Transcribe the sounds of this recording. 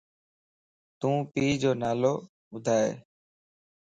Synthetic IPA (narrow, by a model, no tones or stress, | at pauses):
t̪ũːpiːd͡ʒoːnaːloː | ʊd̪ʱaːḛː